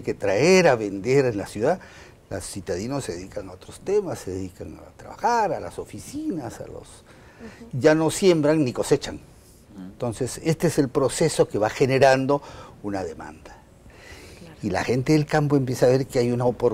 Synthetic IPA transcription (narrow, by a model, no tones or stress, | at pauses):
ke̞t̪ɾaeɾaβend̪e̞ɾenlasjuða | losːjiut̪aðinosːe̞ðeðikaŋaot̪ɾost̪e̞masːe̞ðeðikaŋa̰t̪ɾa̰βa̰xaɾala̰so̞fisinasa̰lo̰s | ʝano̞sje̞mbɾaŋniko̞se̞t͡ʃaŋ | nt̪o̞nsese̞st̪eese̞lpɾo̞se̞so̞ke̞βaxe̞ne̞ɾand̪o̞unaðe̞ma̰nd̪ḁ | ila̰xe̞nt̪e̞ðe̞lkampoempje̞saːβe̞ɾkeajunaopoɾ